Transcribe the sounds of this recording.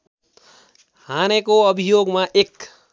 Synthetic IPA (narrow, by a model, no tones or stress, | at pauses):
hanekoəbʱijoɡmãʔek